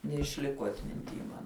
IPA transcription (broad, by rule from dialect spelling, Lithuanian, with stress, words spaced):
nʲɛɪʃʲˈlʲɪkoː ɐtʲmʲɪnʲˈtʲiː mɐn